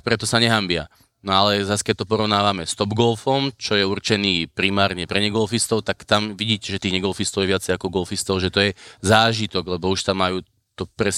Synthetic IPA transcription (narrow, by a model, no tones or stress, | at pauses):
k̚pɾɛt̪ɔsaɲɛɦambɪa̰ | nɔalɛzaskɛc̚t̪ɔpɔɾɔʊnaːʋamɛst̪ɔbɡɔlfɔmt͡ʃɔjɛuɾt͡ʃɛniːpɾimaːɾɲɛpɾɛɲɛɡɔlfist̪ɔʊt̪akt̪amʋiɟiːcɛʒɛt̪iːɣɲɛɡɔlfist̪ɔʊɛʋɪat͡sɛjakɔɡɔlfist̪ɔʊʒɛt̪ɔjɛzaːʒit̪ɔɡlɛbɔuʃt̪amːajuː | t̪ɔpɾɛ